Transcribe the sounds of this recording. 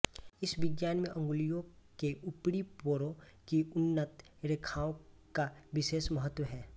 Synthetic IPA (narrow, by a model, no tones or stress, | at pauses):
ɪsbɪɡjaːnmẽʔə̃ŋɡʊlijõkeʔʊpɽipoːɾokiʊnːət̪ | ɾekʰaːõ | kaʋɪʃeːʃməɦət̪ːwəɦɛː